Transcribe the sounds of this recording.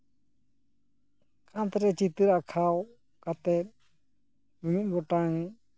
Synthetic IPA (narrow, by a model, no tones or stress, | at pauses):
kʰant̪ɛɾɛt͡ʃit̪ɨɾakʰaw | kat̪ɛt̪̚ | mimit̪̚ˀbɔʈaŋ